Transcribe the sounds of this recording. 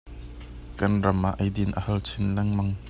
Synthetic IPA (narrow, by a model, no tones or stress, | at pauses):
kɐnrɐmaʔɐjdɪnʔəhɐlt͡sʰɪnlɐŋmɐŋ